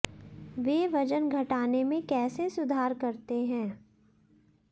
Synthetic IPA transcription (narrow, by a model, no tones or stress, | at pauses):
ʋeːʋɐd͡ʒənɡʱɐʈaːnemẽkɛːsesʊd̪ʱaːɾkɐɾt̪eɦɛ̃ː